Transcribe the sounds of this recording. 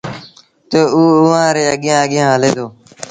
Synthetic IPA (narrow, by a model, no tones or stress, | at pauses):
t̪oːuːʊãːɾeːəɠɪjãːəɠɪjãːɦəleːd̪oː